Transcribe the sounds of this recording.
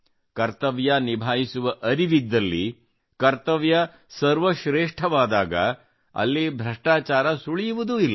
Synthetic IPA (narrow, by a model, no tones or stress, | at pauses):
kɐɾt̪ɐʋjɐnibʱaːjisuʋɐʔɐɾiʋid̪ːɐlːi | kɐɾt̪ɐʋjɐ | sɐɾʋɐʃɾeːʂʈʰɐʋaːd̪aːɡɐ̰ | ɐ̰lːibʱɾɐʂʈaːt͡ʃaːɾɐsuɭijuʋud̪uilːɐ